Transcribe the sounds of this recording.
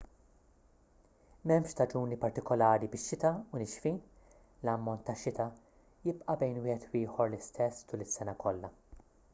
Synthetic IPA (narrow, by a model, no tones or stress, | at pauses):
mɛmʃt̪ɐd͡ʒuːnipɐɾt̪ɪkɔlɐːɾibɪʃːɪt̪ɐʊnɪʃfiːn | lɐmːɔnt̪ːɐʃːɪt̪ɐ | jɪpʔɐbɛjnwɪːhɛt̪wɪːħɔɾlɪst̪ɛsːt̪uːlɪsːɛnɐkɔlːɐ